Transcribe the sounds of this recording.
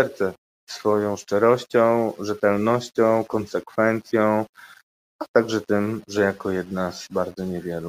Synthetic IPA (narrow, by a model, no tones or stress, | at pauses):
ɛɾt̪sɛ | sfɔjɔ̃w̃ʂt͡ʂɛɾɔɕt͡ɕɔ̃w̃ʐɛt̪ɛlnɔɕt͡ɕɔ̃w̃kɔnsɛkfɛnt̪sʲjɔ̃w̃ | at̪aɡʐɛt̪ɘmʐɛjakɔjɛd̪̚nazbaɾd̪zɔɲɛvʲjɛlu